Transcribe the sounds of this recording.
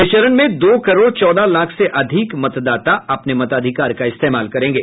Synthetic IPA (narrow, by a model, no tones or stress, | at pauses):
ɪʃəɾənmẽd̪oːkɐɾoːɾt͡ʃɔːd̪alaːkʰseʔɐd̪ʱɪkmɐt̪d̪aːt̪aɐpnemɐt̪aːd̪ʱɪkaːɾkaɪst̪eːmaːlkɐɾẽːɡeː